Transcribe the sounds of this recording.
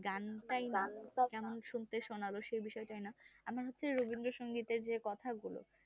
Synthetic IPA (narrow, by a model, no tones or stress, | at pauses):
ɡanʈajnakɛmonʃunt̪eʃonaloʃejbiʃɔeʈajnaamaɾɦotːɕʰeɾobind̪ɾoʃoŋɡit̪eɾd͡ʑekɔt̪ʰaɡulo̰